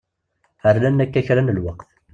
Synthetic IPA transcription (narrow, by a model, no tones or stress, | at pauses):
əɾlænːækːæçɾænəlwaqθ